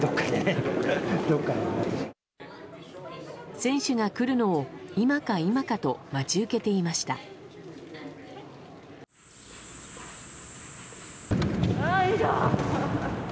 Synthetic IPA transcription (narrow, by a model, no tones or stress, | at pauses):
d̪okːane | d̪okːae | sẽ̞ɰ̃ɕɨɡakɯ̟ɾɯ̟no̞ːimakaimakat̪o̞mat͡ɕɨɯke̞t̪e̞imaɕi̥t̪a̰ | aiɡa̰